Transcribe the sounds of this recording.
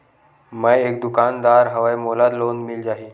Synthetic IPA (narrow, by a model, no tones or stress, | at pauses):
məjek̚d̪ukand̪aɾɦəʋajmolat̪lonmild͡ʑaɦi